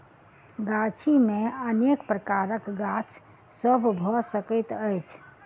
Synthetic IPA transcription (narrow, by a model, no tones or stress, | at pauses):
ɡat͡ʃʰimẽənekpɾəkaɾəkɡat͡ʃʰ | səbbʱɔsəkəɪt̪əjt͡ʃʰ